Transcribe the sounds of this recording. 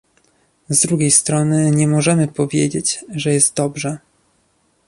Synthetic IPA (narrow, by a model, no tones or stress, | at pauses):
zd̪ɾuɡʲejst̪ɾɔnɘɲɛmɔʐɛmɘpɔvʲjed͡ʑet͡ɕʐɛjɛst̪̚d̪ɔbʐɛ